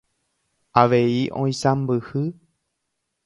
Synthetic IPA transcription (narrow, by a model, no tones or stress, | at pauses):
aʋeiʔõĩsãmbɨhɨ